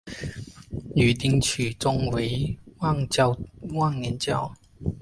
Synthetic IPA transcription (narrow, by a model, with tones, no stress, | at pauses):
jy˨˩t̪i˧ŋt͡ɕʰy˨˩t͡sɔ˧ŋwe˨˦wa˥˨ŋa˧wa˥˨ŋːɛ˨˦nt͡ɕja˥˨w